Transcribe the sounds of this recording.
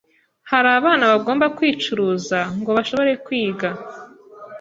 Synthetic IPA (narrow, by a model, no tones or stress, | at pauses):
haɾaːβaːnaβaɡo̞ːmbakwiːt͡ʃuɾuzaŋɡo̞βaʃo̞βo̞ɾe̞kwiːɡa